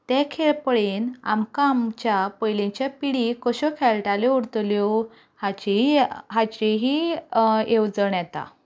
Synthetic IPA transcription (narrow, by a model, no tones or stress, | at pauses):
t̪ekʰeɭpəɭeːna̰mkamt͡ɕjapəjlẽɲt͡ɕjapiɽikəɕɔkʰɛɭʈaleuɽt̪ljo | hat͡ɕiɦat͡ɕeɦi | ewd͡zəɳjɛt̪a̰